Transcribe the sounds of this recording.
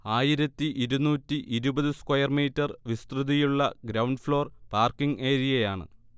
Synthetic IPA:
aːjiɾɐt̪ːiʔiɾunuːtːiʔiɾubɐðɨskwɐjɐrmiːtːɐrʋist̪ruðijuɭːɐɡɾɐwɳɖfɭo̞ːrpaːrkiŋɡe̞ːɾijɐjaːɳɨ̰

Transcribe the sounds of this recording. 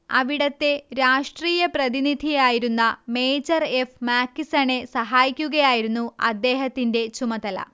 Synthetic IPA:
ɐʋiɽɐt̪ːe̞ɾaːʂʈriːjɐprɐðinid̪ʱijaːjiɾunːɐme̞ːd͡ʑɐre̞fmaːkːisɐɳe̞sɐɦaːjikʲːuɣɐjaːjiɾunːuɐ̰d̪ːe̞ːɦɐt̪ːinde̞t͡ɕumɐd̪ɐlɐ̰

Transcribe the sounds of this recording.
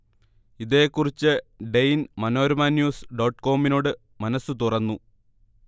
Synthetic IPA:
iðe̞ːkːurit͡ɕːɨɖejnmɐno̞ːɾumaːnjuːsɖo̞ːʈːko̞ːmino̞ːɽɨ | mɐnɐsːut̪urɐnːu

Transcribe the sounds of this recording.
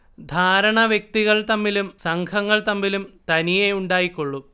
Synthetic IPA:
d̪ʱaːɾɐɳɐʋjɐk̚t̪iɣɐɭt̪ɐmːilumsɐŋkʰɐŋːɐɭt̪ɐmːilumt̪ɐnijeuɳɖaːjikːoɭːum

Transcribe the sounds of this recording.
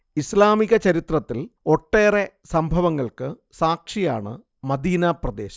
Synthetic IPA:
islaːmiɣɐt͡ɕɐɾit̪rɐt̪ːilo̞ʈːe̞ːre | sɐmbʱɐʋɐŋːɐɭkɨ | saːkʂijaːɳɨ̰ | mɐd̪iːnaprɐd̪e̞ːɕɐ̥

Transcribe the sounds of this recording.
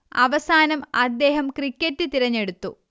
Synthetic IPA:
ɐ̰ʋɐsaːnɐmɐ̰d̪ːe̞ːɦɐmkrikʲːɐtːɨt̪iɾɐɲːe̞ɽut̪ːu

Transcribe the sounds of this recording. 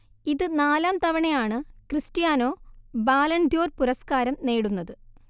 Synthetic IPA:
iðɨnaːlaːmt̪ɐʋɐɳejaːɳɨkrɨstijaːno̞ːbaːlɐɳd̪ʱjo̞ːrpuɾɐskaːɾɐmne̞ːɽunːɐðɨ

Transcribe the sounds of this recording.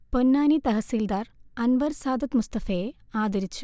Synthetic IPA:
ponːaːnit̪ɐɦɐsiːld̪aːɾɐnʋɐɾsaːd̪ɐt̪must̪ɐfeːaːd̪ɐɾit͡ɕːu̥

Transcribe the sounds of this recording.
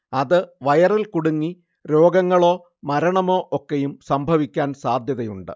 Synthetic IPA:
ɐðɨʋɐjɐrilkuɽuŋːi | ɾo̞ːɡɐŋːɐɭo̞ː | mɐɾɐɳɐmo̞ːʔokːejumsɐmbʱɐʋikʲːaːnsaːd̪ʱjɐðɐjuɳɖɨ̰

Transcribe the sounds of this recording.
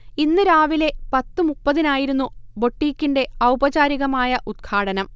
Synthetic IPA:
inːɨɾaːʋile̞pɐt̪ːɨmupːɐðinaːjiɾunːubo̞ʈːiːkʲːinde̞ɐwbɐt͡ɕaːɾiɣɐmaːjɐʔud̪̚ɡkʰaːɽɐnɐm

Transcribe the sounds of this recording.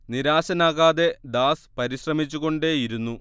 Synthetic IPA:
niɾaːɕɐnaːɣaːðe̞d̪aːspɐɾiɕrɐmit͡ɕːuɣo̞ɳɖeːjiɾunːu

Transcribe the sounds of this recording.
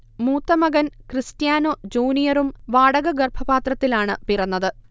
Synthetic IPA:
muːt̪ːɐmɐɡɐnkrɨstjaːnoːd͡ʑuːnijɐrumʋaːɽɐɣɐɡɐrbʰʱɐbaːt̪rɐt̪ːilaːɳɨpirɐnːɐðɨ

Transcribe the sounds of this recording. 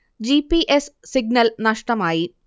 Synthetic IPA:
d͡ʑipiʔesːiɡ̚nɐlnɐʂʈɐmaːji

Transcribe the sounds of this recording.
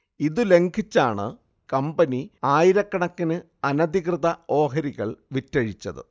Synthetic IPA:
iðɨle̞ŋkʰit͡ɕːaːɳɨ̰ | kɐmbɐniaːjiɾɐkːɐɳɐkːinɨ | ɐnɐd̪iɣrɨðɐo̞ːɦɐɾiɣɐ̰ɭʋitːɐɻit͡ɕːɐ̰ðɨ̰

